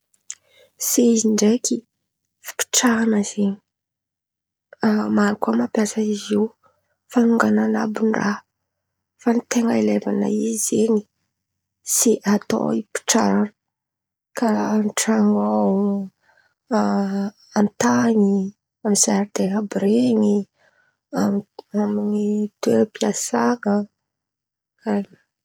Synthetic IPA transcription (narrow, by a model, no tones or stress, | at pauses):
seiziɳɖ͡ʐeki | fi̥pi̥ʈ͡ʂaanəzeɲi̥ | amaɾukamapjasəiziw | fanuŋɡanana̰bunra | fanit̪eŋaileva̰na̰izeni̥ | seʔat̪o̰ipi̥ʈ͡ʂaɾanə | kʰanʈ͡ʂaŋaawu | ant̪aɲi | amizaɾd̪eɦabɾeŋi | aaminit̪ueɾəpiasaŋə | ani